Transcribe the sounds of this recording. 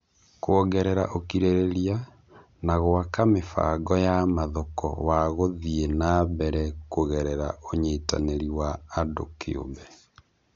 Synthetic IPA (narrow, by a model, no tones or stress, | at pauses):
koɔɡɛɾɛɾaʔokiɾeɾeɾia | naɣowakamefa̰ːɡɔjamaðɔkɔ̰waɣoðienabɛɾɛkoɣɛɾɛɾaoɲeːta̰neɾiwaːdo̰kʰḛo̰mbɛ